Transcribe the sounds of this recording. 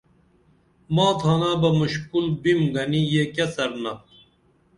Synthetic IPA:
mɑːt̪ʰaːnabɐmuɕkulbimɡɐnijekɐsɐɾnɐ

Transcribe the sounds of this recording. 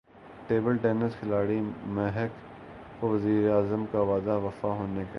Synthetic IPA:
ʈeːbəlʈeːnəsxʰɪlaːɽimɛɦɛk | koʋɐziːɾeaːzəmkaʋaːd̪aʋɐfaɦoːneka

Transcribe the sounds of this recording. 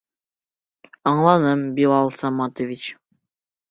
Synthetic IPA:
ɑɴlˠɑnɤmbilˠɑlˠsɑmɑt̪ovʲit͡ɕ

